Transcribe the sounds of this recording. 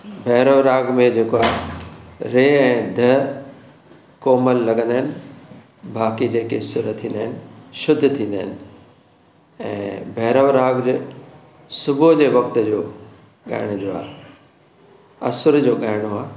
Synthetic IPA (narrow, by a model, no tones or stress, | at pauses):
bʱɛːɾəʋɾaːɡmẽd͡ʑeːkoaːɦe | ɾeːɛ̃ːd̪ʱɐ | koːməlːɐɠə̃nd̪aɦɪnɪ̆ | bʱaːkid͡ʑeːkesʊɾət̪ʰːĩːnd̪aːɦɪnɪ̆ʃʊd̪ʱt̪ʰĩːn̆d̪aːɪnɪ̆ | ɛ̰̃ːbʱɛːɾəʋɾaːɡd͡ʑe | sʊbʊd͡ʑeːʋɐkt̪ə̆d͡ʑoː | ɠa̰ːɪɽ̃ʊd͡ʑoːa̰ː | ɐsʊɾd͡ʑoːɠaːɪɽ̃oaː